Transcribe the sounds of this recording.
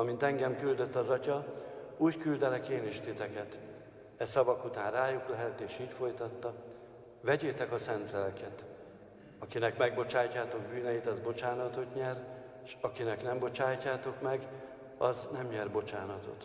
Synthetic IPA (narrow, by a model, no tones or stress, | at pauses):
ɒmint̪ɛŋɡɛmkyld̪ø̞t̪ːɒzɒcɒuːckyld̪ɛlɛkeːniʃt̪it̪ɛkɛt̪ | ɛsɒbɒkut̪aːnraːjuklɛɦɛlt̪eːʃiːcfo̞jt̪ɒt̪ːɒ | vɛɟeːt̪ɛkɒsɛnt̪lɛlkɛt̪ | ɒkinɛkmɛɡ̚bo̞t͡ʃaːjcːaːt̪o̞ɡbyːnɛjit̪ɒzbo̞t͡ʃaːnɒt̪o̞t̪ɲɛr | ʃɒkinɛknɛmbo̞t͡ʃaːjcːaːt̪o̞kmɛɡ | ɒznɛmɲɛrbo̞t͡ʃaːnɒt̪o̞̰t̪